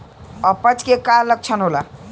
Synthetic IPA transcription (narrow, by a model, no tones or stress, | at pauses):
ʌpət͡ʃkekaləɡ̚t͡ʃʰənɦola